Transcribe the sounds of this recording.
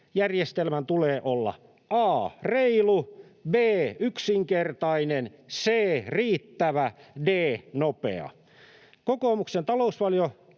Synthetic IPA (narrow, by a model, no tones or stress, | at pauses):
jærjest̪elmænt̪uleːʔolːɑ̰ | ɑːreilubeːyksiŋkert̪ɑinenseːriːt̪ːæʋædeːnopḛɑ̰ | kokoːmuksent̪ɑlousʋɑljo